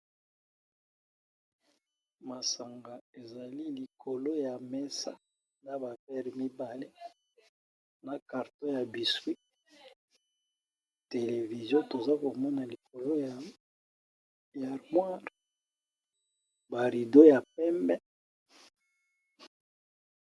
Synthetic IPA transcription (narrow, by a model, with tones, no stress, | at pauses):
ma˨sa˨ŋɡa˨e˨za˨li˦li˨kʰo˨lo˦ja˨mɛ˦sa̰˦ | na˦ba˨pɛ˦ʁmi˦ba˨le˦ | na˨ka˨ʁto˦ja˨bi˨swi˦ | te˨le˨vi˨zjɔ̃˦to˨za˦ko˨mɔ˦na˨li˨ko˨lo˦ja˨ | ja˨ʁmwa˦ʁ | ba˨ʁi˨do˦ja˨pɛ˦mbɛ˦